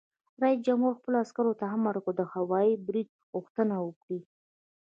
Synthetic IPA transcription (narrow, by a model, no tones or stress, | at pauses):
ɾɑj̚d͡ʒamhuɾxpəloaskaɾot̪aɦamːaɾkod̪əhawɑjibɾid̪̚ | ɣuxt̪ənawəkɽi